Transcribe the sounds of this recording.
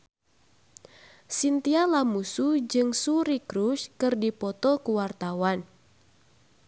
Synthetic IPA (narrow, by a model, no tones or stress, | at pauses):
sint̪ialamusud͡ʒɨŋsuɾikɾuʃkɨrdipɔt̪ɔkuwart̪awan